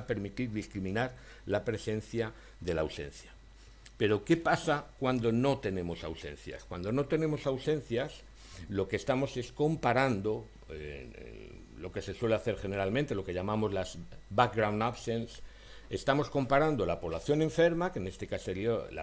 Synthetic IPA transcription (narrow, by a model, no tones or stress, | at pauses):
pe̞ɾmit̪iɾðiskɾimĩnaɾ | lapɾe̞se̞nθja | ðe̞lawse̞̰n̟θja | pe̞ɾo̞ke̞pasakwand̪o̞no̞t̪e̞nẽ̞mo̞sawse̞̰n̟θja̰skwand̪o̞no̞t̪e̞nẽ̞mo̞sawse̞nθjas | lo̞keːst̪amo̞se̞sko̞mpaɾand̪o̞ | ḛ | lo̞ke̞se̞swe̞leaθe̞ɾxe̞ne̞ɾalmẽnt̪e̞lo̞ke̞ʎamamo̞zlazbak̚ɣɾawndaβse̞ns | e̞st̪amo̞sko̞mpaɾand̪o̞lapo̞βlaθjo̞nẽ̞ɱfe̞ɾmakene̞st̪e̞kaseljola